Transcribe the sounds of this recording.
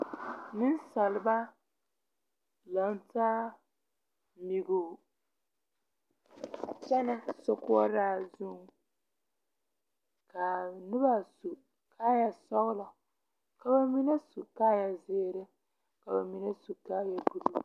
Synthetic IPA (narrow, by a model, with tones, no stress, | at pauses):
nɪ˦nsa˨lɪ˨ba˦ | la˨ntaː˦ | mi˨ɡʊ˨ | t͡ʃɛ˦nɪ˦sʊ˨kʊ˦ɔ˦ɾaː˦˨zʊ˦ŋ | ka˨nʊ˦ba˦su˨ | kʰa˦ja˨sɔ˦ɣla˨ | ka˨ba˦mi˦ne˦su˨kaː˦ja˨zeː˦ɾɪ˦ | ka˨ba˨mi˨ne˦su˨kaː˦ja˨bu˨lu˦